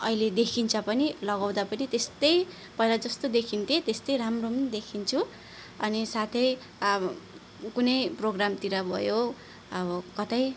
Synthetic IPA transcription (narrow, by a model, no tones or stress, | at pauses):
ʌiled̪ekʰint͡sʰʌpʌnilʌɡaw̃d̪apʌnit̪est̪ʌj | pʌilad͡zʌst̪od̪ekʰint̪ʰiet̪est̪ʌjɾamromʌnd̪ekʰint͡sʰu | ʌnisat̪ʰʌj | kunʌjproɡramt̪iɾʌbʱʌ̰jo | ʌbʌkʌt̪aj